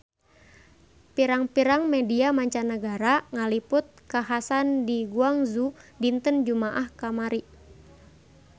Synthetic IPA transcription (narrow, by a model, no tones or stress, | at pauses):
piɾaŋpiɾaŋmɛdiamaɲt͡ʃanəɡaɾaŋalipʊt̪̚kaɦasandiɡuaŋzudint̪ənd͡ʒumaʔahkamaɾi